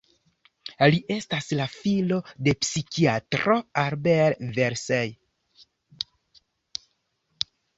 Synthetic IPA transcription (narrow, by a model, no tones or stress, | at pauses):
liʔe̞staslafilo̞de̞psikiatɾoaɾbelveɾsej